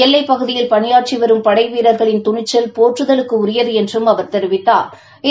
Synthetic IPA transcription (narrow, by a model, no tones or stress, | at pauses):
ɛlːɐɪpːɐɣɯðɪjɪlpɐɳɪjaːʈ̚t͡ʃiʋɐɾɯmpɐɽɐɪʋiːɾɐɾɣɐɭɪnt̪ʊɳɪt͡ʃːɐlpoːʈrɯðɐlɯkːɯʊɾɪjɐðɯɛndrɯmɐʋɐɾt̪ɛɾɯʋɪt̪ːaːɾ | ɪ